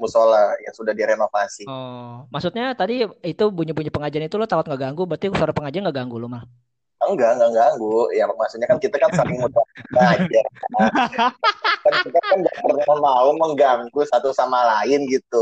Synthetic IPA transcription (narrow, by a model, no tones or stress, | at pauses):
musolaja̰ŋsudahdiɾenofasiɔmasut̪̚ɲat̪adiit̪ubuɲubuɲupəŋad͡ʒaanit̪ulʊt̪akʊt̪ŋɡaʔɡaŋɡubərt̪iusoɾapəŋad͡ʒaɾnŋɡaʔɡaŋɡulʊmah | əŋɡaŋɡaŋɡaŋɡujamasut̪̚ɲakankit̪akansəɾɪŋmut̪aməŋad͡ʒarka | kankit̪akanbapəraamauməŋɡaŋɡusat̪usamalaɪnɡit̪u